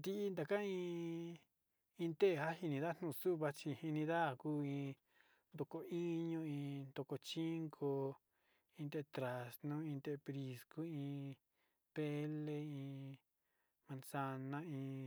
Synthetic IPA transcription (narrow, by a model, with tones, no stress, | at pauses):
d̪i˧i˧nd̪a˨˧kã˦ĩː˧˦ | ĩ˧t̪e˦ʔe˧˨ha˦hi˧nĩ˧ða˦˧n̥nũ˧˨˧su˦βa˧t͡ʃi˧hi˧nĩ˧ða˦˨kuː˦ĩː˧ | nd̪o˧ko˧i˦ɲõ˧ĩ˧nd̪o˧ko˧t͡ʃi˦ŋkʰo˧ | ĩ˧t̪e˧˨˧t̪ɾa˨snũ˦ĩ˧t̪e˧e˧pɾi˧sku˦ĩ˧ | pe˦le˧ĩː˧ | mã˧nsa˧nã˦ĩ˧